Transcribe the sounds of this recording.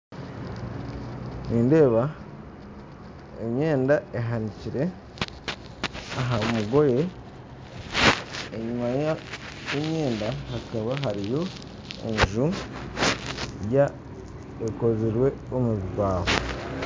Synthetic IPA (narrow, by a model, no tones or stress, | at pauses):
niːnde̞ːβa | ḛmɲe̞ːndaeɦaniciɾe̞ | aɦamuɡo̞je̞ | ɲumajaemɲe̞ːndaɦakaβaɦaɾijo̞ | ḛɲʒu | ja | eko̞ziɾwe̞omuβiɡwaːβo